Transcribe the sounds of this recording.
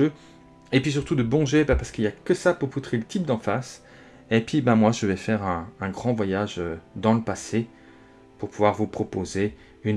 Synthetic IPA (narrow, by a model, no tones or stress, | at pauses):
ø | epɥis̬yʁt̪ud̪əbɔ̃ʒebãpaʁsə̥kiljakəsapuʁput̪χelət̪ʰip̚d̪ɑ̃fas | epɥibɛ̃mwaʒəvɛfɛʁɛ̃ːɡʁɑ̃vwajaʒød̪ɑ̃ləpase | puʁpuvwaʁvupχɔpoze | yn